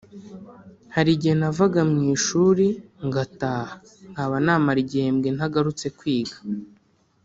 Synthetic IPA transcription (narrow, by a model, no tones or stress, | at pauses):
haɾiɟienavaɡamɲiːʃuːɾiŋɡataːha | ŋɡaβanaːmaɾɟeːmɡenhaɡaɾut͡se̞kwiːɡḁ